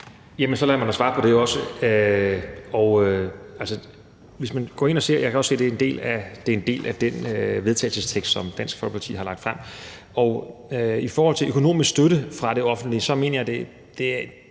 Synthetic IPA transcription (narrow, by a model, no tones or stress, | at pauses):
jæmənsɒ̽læɐmænd̥æsʋɑ̈ːpʰɒ̽ɾ̥e̝joɒ̽səø | ɒʊælsə | ʋe̝smænɡ̥ɒ̰ːe̝nɒ̽se̝ɐ̰jɑ̈kʰæɒse̝̰ːd̥e̝end̥e̝̰ːlæd̥e̝e̝nd̥e̝̰ːlʔæd̥enʋe̝ð̞ˠt͡sʰɛ̰ːl̩səst͡sʰeɡ̥sd̥sɒ̽md̥æn̰sɡ̥fɒlkʰpʰɑ̈t͡sʰḭhɑ̈lɑ̈ɡ̥̚d̥fʁam̰ | ɒʊifɒːhɒ̽l̰t͡sʰe̝ʔøkʰo̝no̝̰ːmisɡ̥sd̥øɾəfʁɑ̈ɾ̥e̝ɒ̽fn̩d̥lisɒ̽me̝̰ːnɐjɑ̈d̥e̝ | d̥e̝æ